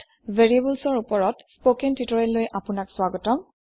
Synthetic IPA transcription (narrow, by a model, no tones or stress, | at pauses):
veɹiebulsɔɹupɔɹɔtspokɛntitɔɹɛlojʔapʊnakswaɡɔtɔm